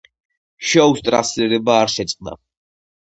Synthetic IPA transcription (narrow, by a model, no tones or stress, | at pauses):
ʃɔwst̪ʼɾa̰slɛɾɛbaːɾʃɛt̪sʼqʼna̰